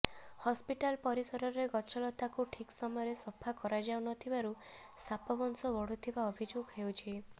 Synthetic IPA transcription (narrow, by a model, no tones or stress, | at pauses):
hɔspiʈalpɔɾisɔɾɔɾeɡɔt͡ʃʰɔlɔt̪akuʈʰiksɔmɔjɔɾesɔpʰakɔɾad͡ʒawnɔt̪ʰibaɾu | sapɔbɔnsɔbɔɽ̤ut̪ʰibaɔbʱid͡ʒoɡɦewt͡ʃʰi